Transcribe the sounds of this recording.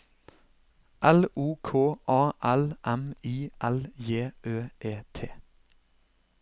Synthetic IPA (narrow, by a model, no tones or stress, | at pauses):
ʔɛluːkʰoːʔɑːʔɛlʔɛmiːʔæljeːʔøːʔeːt̪ʰeː